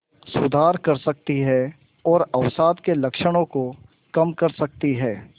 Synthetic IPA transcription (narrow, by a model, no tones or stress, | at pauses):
sʊd̪ʱaːɾkɐɾsɐk̚t̪iɦɛ | ɔːɾɐʋsaːd̪kelɐkʃəɽ̃õko | kɐmkɐɾsɐk̚t̪iɦɛː